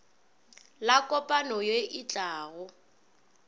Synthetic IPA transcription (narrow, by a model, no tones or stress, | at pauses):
lakʼɔpʼanɔjeʔɪt͡ɬʼaːɣʊ